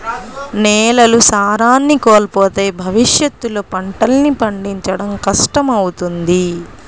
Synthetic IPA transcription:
neːlɐlusaːɾaːnːikoːlɐpoːt̪e̞ːbʱɐʋiʂjɐt̪ːuloːpɐɳʈɐlnipɐɳɖiɲt͡ʃɐɽɐmkɐʂʈɐmɐwut̪und̪i

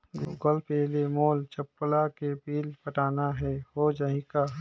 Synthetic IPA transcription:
ɡɡɔlpeːlemoːlt͡ʃəpːlakepiːlpəʈaːnaɦɛhod͡ʒaɦɪka

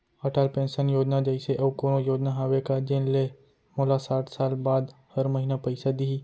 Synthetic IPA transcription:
əʈalpẽnsənjoːd͡ʒnad͡ʒəjseʔəʋkoñojoːd͡ʒnaɦaʋekad͡ʒenle | molasaʈʰsalbad̪həɾməɦinapəjsad̪iɦi

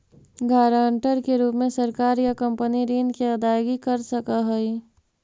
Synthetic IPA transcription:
ɡaːɾaːɳʈəɾkeɾuːpmẽsɐɾkaːɾjakɐ̃mpəniɾiːnkiɐd̪aːjɡikɐɾsɐkaɦoi

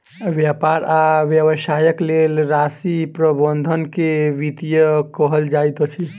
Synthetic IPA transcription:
ʋjapaɾaʋjəβəʃajəklelɾasipɾəbənd̪ʱənkeʋit̪ijəkəɦəld͡ʒajt̪t͡ʃʰi

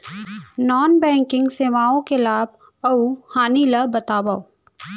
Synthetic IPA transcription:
nɔːnbɛ̃ːŋkɪ̃ŋɡseːʋaːõkelaːb̚ | ɐuhaːnilɐbɐt̪aːbao

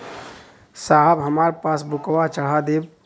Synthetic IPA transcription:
saɦəbɦəmaːɾepaːsbʊkʋat͡ʃəɽ̤ad̪eːb

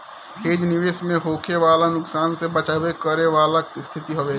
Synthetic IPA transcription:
ɦeːd͡ʒnɪʋeːsmẽɦoːkʰeʋaːlanʊksaːnsebɐt͡ʃaːwekəɾeʋaːlaɪst̪ʰɪt̪iɦoʋeː

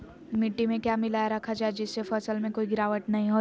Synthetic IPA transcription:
mɪʈːimẽkjaːmɪlaːjaɾɐkʰad͡ʒaːed͡ʒɪsːefəsəlmẽkoːiɡɪɾaːʋəʈnɐɦĩɦoː

